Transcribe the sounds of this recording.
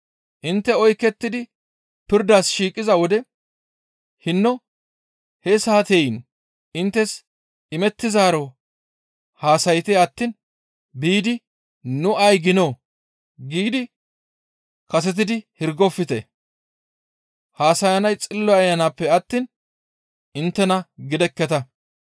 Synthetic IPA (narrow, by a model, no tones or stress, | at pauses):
ʔɪnt̪ːɛɔjkːɛt̪ːɪd̪ɪ | pɪɾd̪aːsʃiːkʼːɪzɐwɔd̪ɛ | hɪnːɔ | hɛsaːt̪ejn | ʔɪnt̪ːɛs | ɪmɛt̪ːɪzaːɾo | haːsɐjt̪eɐt̪ːiːn | biːd̪ɪ | nʊʔɐjɡɪnoː | ɡiːd̪ɪ | kɐs̬ɛt̪̬ɪd̪ɪhɪɾɡɔfːɪt̪ɛ | haːsɐjɐnɐjt͡sʼɪlːɔjɐjːɐnaːpːɛɐt̪ːiːn | ɪnt̪ːɛnɐɡɪd̪ɛkːɛt̪ɐ